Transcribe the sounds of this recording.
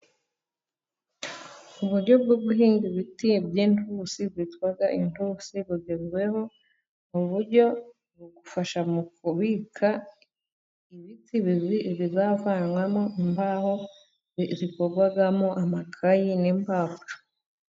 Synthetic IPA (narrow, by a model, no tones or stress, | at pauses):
uβuɾɟo̞b̚ɡobɡuɦiːŋɡiβitibjeːntusiβitwaɡaʔintusiβuɡezwe̞ho̞ | muβuɾɟo̞ | ɡoɡufaʃamukuβikʰa | iβitiβiβiβizavanwamoimbaho | βikoɡwaɡamoʔamakʰajinimbavuɾu